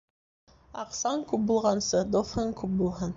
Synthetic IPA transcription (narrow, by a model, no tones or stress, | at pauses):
ɑqsɑŋkʉp̚bulˠʁɑnsɤd̪ofɤŋkʉp̚bulˠɦɤn